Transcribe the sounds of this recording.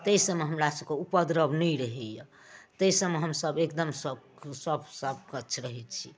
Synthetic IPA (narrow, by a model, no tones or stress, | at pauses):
t̪əsəmeɦəmɾasəbkeupəd̪ɾəbnəjɾəɦɛjə | t̪əisəmeɦəmsəbekd̪əmsə | səbsəb̚kətːt͡ʃʰɾəɦɛt̪t͡ʃʰi